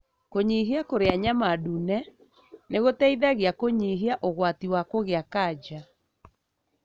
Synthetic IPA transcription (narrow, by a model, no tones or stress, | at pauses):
koɲiɦiakoɾeaɲamadunɛ | neɣotɛiðaɣeakoɲiɦiaʔoɣwatiwakoɣeakad͡ʒa